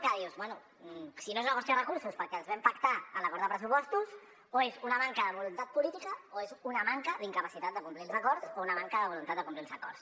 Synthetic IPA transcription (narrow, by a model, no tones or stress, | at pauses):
kəðiwzβwɛnu | sinoezunəβɔst̪ɾəərəkuɾsuspəɾkɛənzβɛmpəkt̪aə̰nləkɔɾd̪ðəpɾəs̬upɔst̪us | oezunəmaŋkəðəβulunt̪at̪̚pulit̪ikəoezunəmaŋkəðiŋkəpəsit̪at̪̚d̪əkumplilˠzəkɔɾsounəmaŋkəðəβulunt̪at̪d̪əkumplilˠzəkɔrs